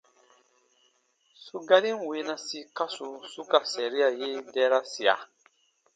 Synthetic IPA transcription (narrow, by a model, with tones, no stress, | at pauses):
su˦ɡa˦ɾĩ˦n˨we˨˦nã˨si˨ka˦su˨su˦ka˨sɛ˨ɾi˦a˨je˦dɛː˦ɾa˦si˨a̰˨